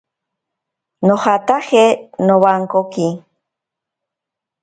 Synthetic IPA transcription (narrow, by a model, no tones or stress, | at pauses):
noχat̪aχenoβaŋkoki